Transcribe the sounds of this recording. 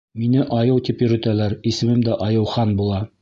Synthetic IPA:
minɘʔɒjɤwt̪ipjɵ̆ɾɘ̆t̪ælæɾisɘ̆mɘmd̪æʔɒjɤ̆wχɑnbulˠɑ

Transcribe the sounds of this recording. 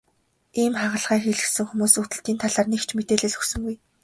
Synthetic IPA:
iːmχaʁə̆ɮʁæːxeɮɘ̆sɘ̆ŋxumuːsut̪ɘ̆ɬt̪iːnt̪ʰaɮaːrnekt͡ɕʰmet̪eːɮɘ̆ɮɵxsɵ̆ŋɡuj

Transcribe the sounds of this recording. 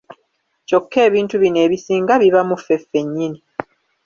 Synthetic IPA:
co̞kʰːe̞ːβiːntuβine̞ːβisiːŋɡaβiβamufe̞fːe̞ɲːini

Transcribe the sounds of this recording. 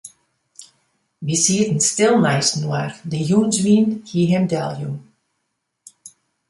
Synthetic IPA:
ʋisiətn̩stɪlˠnɛjsnwardəjunzwiːnhiɦɛmdɛlˠjun

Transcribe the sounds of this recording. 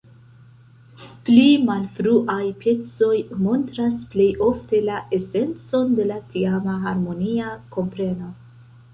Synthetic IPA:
plimalfɾuʔajpʰe̞t͡so̞jmo̞ntɾasple̞jo̞fte̞laʔe̞se̞nt͡so̞nde̞latʰiamaɦaɾmo̞niako̞mpɾe̞no̞

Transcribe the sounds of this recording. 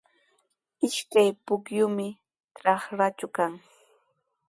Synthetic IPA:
ɪʃkajpʊkjʊmɪ | tɾɑχɾat͡ʃʊkaŋ

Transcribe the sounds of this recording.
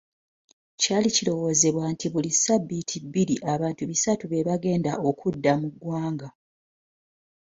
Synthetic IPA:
caːlicilo̞wo̞ːze̞βwantiβulisabːitʰibiɾiʔaβaːntuβisatuβe̞βaɡe̞ːndaʔokʰudːamuɡwaːŋɡa

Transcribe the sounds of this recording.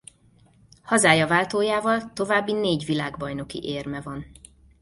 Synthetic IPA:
hɒzaːjɒvaːlt̪oːjaːvɒlt̪o̞vaːbːineːɟʋilaːɡbɒjno̞kḭʔeːrmɛvɒn

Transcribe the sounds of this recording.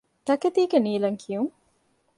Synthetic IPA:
t̪ɐket̪iːɡeniːlɐŋkʰijuŋ

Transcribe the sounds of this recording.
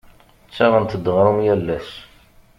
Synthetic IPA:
t͡sːæʁənt̪əd̪ːəʁɾumjælːæʃ

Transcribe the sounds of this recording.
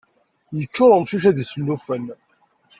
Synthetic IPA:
jət͡ʃːʊɾˤəmθuʃæðisəlːufən

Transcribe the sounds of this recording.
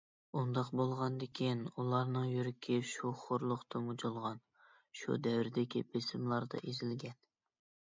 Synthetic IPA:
und̪ɑqbolˠʁɑnd̪ɪkʲʰinulˠɑɾnɨŋjyɾɪkʲʰiʃuχoɾlˠʊχt̪ʰɨmud͡ʒolˠʁɑn | ʃṵd̪ɛwɾɪd̪ɪkʲḭbesɪmlˠɑɾd̪ɑ̰ʔezɪlɡʲɛn

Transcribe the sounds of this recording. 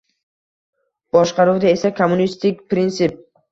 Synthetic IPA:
b̥ɒʃqɑɾuwd̪ae̞sakʰomːunist̪ɪkʲpɾɪnt̪sɪp̚

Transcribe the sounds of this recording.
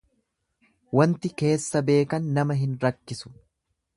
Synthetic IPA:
wɐnt̪ɪke̞ːsːɐbe̞ːkɐnːɐmɐɦɪnɾɐkːɪsʊ̥

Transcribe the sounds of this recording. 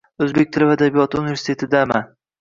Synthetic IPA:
ɵzbek̚ʲt̪ʰɪlɪvad̪abijɒt̪unɪveɾsɪ̥t̪ʰe̞t̪ʰɪd̪ama

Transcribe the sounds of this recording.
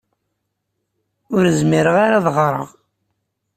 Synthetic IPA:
ʊɾəzmiɾəʁaɾaðʁɾˤə̰ʁ

